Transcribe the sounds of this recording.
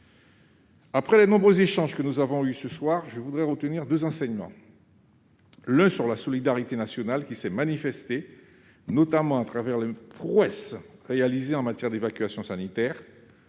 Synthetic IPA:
apχɛlenɔ̃bʁøzeʃɑ̃ʒkənuzavɔ̃ysəswaʁʒəvud̪ʁɛʁət̪əniʁd̪øzɑ̃sɛɲmɑ̰̃ | lɛ̃syʁlasɔlid̪aʁit̪enasjɔnalkʲisɛmanifɛst̪e | nɔt̪amɑ̃at̪χavɛʁlepʁwɛsʁealizeɑ̃mat̪jɛʁd̪evakʲɥasjɔ̃sanit̪ɛːʁ

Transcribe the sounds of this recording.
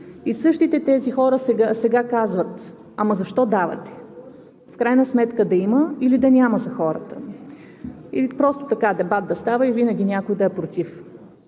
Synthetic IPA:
isɤʃt̪it̪ɛt̪ɛzixɔɾəsɛɡasɛɡakazvət̪ | ɐmɐzɐʃt̪ɔd̪avɐ̰t̪ɛ̥ | fkɾajnəsmɛt̪kəd̪ɐiməilid̪ɐnʲaməzɐxɔɾə̰t̪ə | iipɾɔst̪ʊ̥t̪ɐkad̪ɛbat̪̚d̪ɐst̪avəivinɐɡʲinʲakʊjd̪ɐɛpɾot̪ʲif

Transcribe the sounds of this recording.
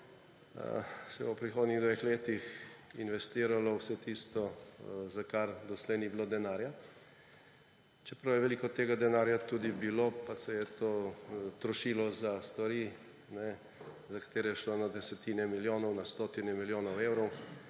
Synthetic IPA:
sɛowpɾixoːd̪niɣd̪ʋexleːt̪ixinʋɛst̪iːɾalɔwsɛt̪ist̪ɔzakaɾd̪ɔslɛjnibilod̪ɛnaːɾja | t͡ʃɛpɾawjɛʋɛliːkɔt̪eːɡad̪ɛnaːɾjat̪uːd̪ibilopasɛjɛt̪oːt̪ɾɔʃilɔzast̪ʋaɾi | nɛ | zakḁt̪eːɾɛjɛʃlonad̪ɛsɛt̪iːnɛmiljoːnɔwnast̪ot̪inɛmiljoːnɔwewɾɔw

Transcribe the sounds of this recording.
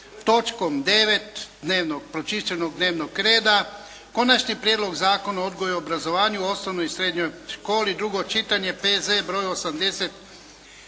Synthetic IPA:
t̪o̞t͡ʃkomd̪e̞ʋet̪d̪neːʋnoɡ̚pɾot͡ʃiʃt͡ʃenoɡ̚d̪neːʋnokɾe̞ːd̪a | ko̞nat͡ʃnipɾjed̪lo̞ɡzaːko̞nao̞d̪ɡojuobɾazo̞ʋaːɲuo̞snoʋnojisɾeːd̪ɲojʃko̞ːlid̪ɾuɡo̞t͡ʃit̪aɲe̞pezebɾo̞ːjosamd̪e̞set̪

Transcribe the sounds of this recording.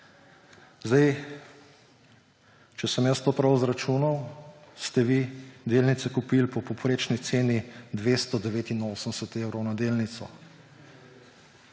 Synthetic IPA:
zd̪aj | t͡ʃɛsəmjəst̪oːpɾawzɾat͡ʃuːnawst̪ɛʋid̪elnit̪sɛkupilpɔpɔpɾeːt͡ʃnit̪seːnid̪ʋeːst̪ɔd̪ɛʋeːt̪inoːsənsɛt̪ewɾɔwnad̪eːlnit̪sɔ

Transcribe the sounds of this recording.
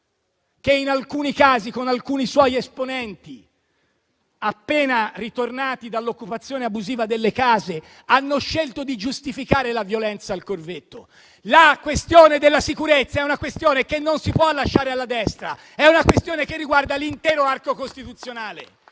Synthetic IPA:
keinalkuːnikaːzikonalkuːniswɔjesponɛnt̪i | apːeːnarit̪ornaːt̪id̪alːokːupat̪sːjoːneabuziːvad̪elːekaːze | anːoʃːelt̪od̪id͡ʒust̪ifikaːɾelavjolɛnt̪saːlkorvet̪ːo | lakwest̪joːned̪elːasikuɾet̪sːaɛunakwest̪joːnekenːonsipwɔalːaʃːaːɾealːad̪ɛst̪ɾa̰ | ɛunakwest̪joːnekerːiɡward̪alint̪ɛːɾoarkokost̪it̪ut̪sːjonaːlḛ

